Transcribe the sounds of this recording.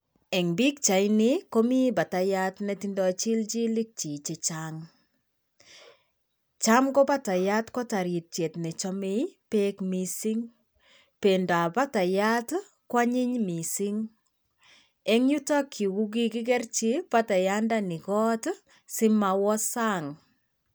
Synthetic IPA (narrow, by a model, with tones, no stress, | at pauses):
ɛ˨ŋbi˦k̚t͡ʃa˨jnɪko˦mi˦ba˨ta˨jatnetindɔ˨t͡ʃi˦lt͡ʃi˦lɪ˦k̚t͡ʃi˨t͡ʃe˨t͡ʃaŋ | t͡ʃamkɔ˦pa˦ta˨ja˦tkɔ˦ta˨ɾi˨t̚t͡ʃe˨tnɛ˨t͡ʃɔ˦me˦jpekmisi˦ŋ | penda˨pa˦ta˨ja˦t | kwa˦ɲɪ˦ɲmi˨si˦ŋ | ɛ˦ŋɲu˦tɔ˦kʰːi˨wu˦ɡ̬i˦kɪ˦k̬ɛ˦rt͡ʃi˦pa˦ta˨jandanɪ˨kɔ˦t | sɪ˦ma˨wɔ˦saŋ